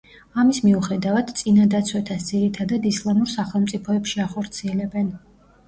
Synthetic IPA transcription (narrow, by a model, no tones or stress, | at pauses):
amismiuχɛd̪avad̪̥t̪sʼinad̪at̪sʰwɛt̪ʰasd̪ziɾit̪ʰad̪ad̪islˠamuɾsaχɛlˠmtsʼipʰɔɛpʃiaχɔɾt̪sʰiɛlɛbɛn